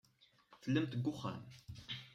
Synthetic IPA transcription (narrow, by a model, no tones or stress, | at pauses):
θəlːəmt̪əɡːʊχæ̰n